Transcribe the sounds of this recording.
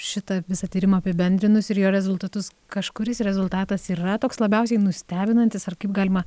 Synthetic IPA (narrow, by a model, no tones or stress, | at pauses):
ʃʲɪt̪ɐʋʲɪsɐt̪ʲiːɾʲɪmɐɐpʲɪbʲɛnʲd̪ʲɾʲɪnʊsɪɾjoːɾʲɛzʊlˠt̪ɐt̪ʊskɐʃkʊɾʲɪsɾʲɛzʊlˠt̪ɑːt̪ɐsiːrɐt̪oːkslˠɐbʲɛʊsʲɛɪnʊsʲt̪ʲæːbʲɪnɐnʲt̪ʲɪsɐrkɐɪp̚ɡɑːlʲɪmɐ